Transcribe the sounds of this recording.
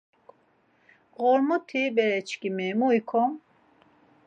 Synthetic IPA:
ɣɔɾmut̪ʰibɛɾɛt͡ʃʰkimɛmuikʰɔm

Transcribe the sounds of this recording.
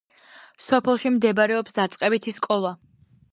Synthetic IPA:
sɔpʰɛlˠʃimd̪ɛbaɾɛɔpsd̪at̪sʼqʼɛbit̪ʰiskʼɔlˠa

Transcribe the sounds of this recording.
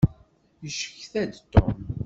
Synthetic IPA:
jəʃə̥çθæd̪t̪ːo̰m

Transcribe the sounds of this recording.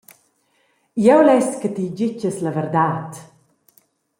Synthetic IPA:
jɛwlɛstkət̪id͡ʑit͡ʃəsləvɛrd̪aːt̪

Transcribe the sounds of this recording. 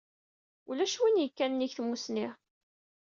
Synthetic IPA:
ulæʃwinjəkːænnːiçθmusniʁ

